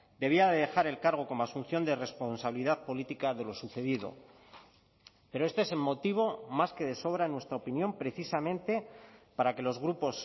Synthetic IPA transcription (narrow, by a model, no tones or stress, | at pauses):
d̪e̞β̞iaðeðe̞xaɾe̞lkaɾɣ̞o̞ko̞moasun̟θjo̞nd̪ere̞sponsaβiliðaðpo̞lit̪ikaðe̞lo̞suθe̞ðiðo̞̰ | pe̞ɾo̞e̞st̪oeselmo̞t̪iβ̞o̞maske̞ðe̞so̞β̞ɾaenwe̞st̪ɾaopinjõ̞mpɾe̞θisamẽ̞nt̪e̞paɾake̞lo̞zɣɾupo̞s